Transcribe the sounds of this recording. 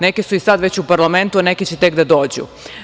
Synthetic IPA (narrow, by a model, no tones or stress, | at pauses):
ne̞kesuisad̪ʋe̞t͡ɕupaɾlame̞nt̪uane̞ket͡ɕet̪e̞kd̪ad̪o̞ːd͡ʑṵ